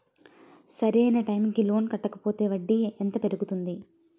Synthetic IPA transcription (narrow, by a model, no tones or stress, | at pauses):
sɐɾɐjnɐʈɐjmikilo̞ːnkɐʈːɐkɐpo̞ːt̪e̞ːʋɐɖːiɛnt̪ɐpe̞ɾuɡut̪und̪i